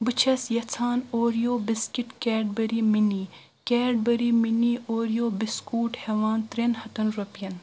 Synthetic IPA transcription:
bɨt͡ʃʰɐsjɐt͡sʰaːnoːɾijoːbiskiʈkeːɖ̚bɐɾiminiː | keːɖ̚bɐɾiːminioːɾijoːbiskuːʈheʋaːnt̪ɾenhɐt̪ɐnɾɐpjɐn

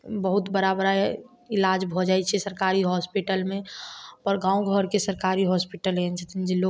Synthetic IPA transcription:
bəɦut̪bəɾabəɾa | ɪlad͡ʒbʱod͡ʒaːɛt͡ʃʰɛsəɾkaːɾiɦɔspiʈəlmẽpəɾɡãːũɡʱəɾkesəɾkaːɾiɦɔspiʈəlent͡ʃʰət̪ʰind͡ʒilo

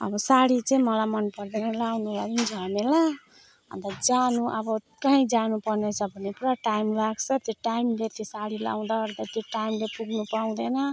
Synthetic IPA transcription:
ʌ̰bʌsaɽit͡sʌĩmʌlajmʌnpʌrd̪enʌlawnulaɾind͡zʱʌmela | ʌ̰nt̪ʌd͡zanuʔʌbʌ | kaɦĩd͡zanupʌrnet͡sʰʌbʱʌnːepuɾaʈajmlaɡt͡sʰʌt̪joʈajmlet̪isaɽila̰w̃d̪aɡʌɾd̪at̪joʈajmlepuɡnupaw̃d̪enʌ

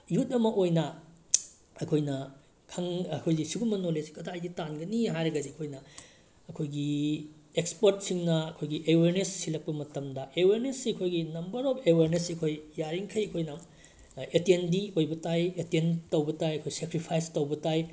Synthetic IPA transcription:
jutɐmɐʔojnɐ | ɐkʰojnɐ | kʰɐŋkʰojɡisiɡumɐnolesi̥kɐtʰajditanɡɐniɦajɾɐɡɐdiɐkʰojnɐ | ɐkʰojɡi | ekspoɾt̚siŋnɐɐkʰojɡiʔeweɾnesːilɐk̚pɐmɐtɐmdɐʔeweɾnesːiɐkʰojɡinɐmbɐɾɔpʰeweɾnesiɐkʰojːaɾiŋkʰɐjɐkʰojna | etendiojbɐtajetentɐwbɐtajɐkʰojsekɾipʰajstɐwbɐtaj

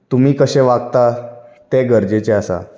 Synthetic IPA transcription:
t̪umiːkəɕẽʋaɡt̪at̪eɡəɾd͡ʑet͡ɕeasa̰

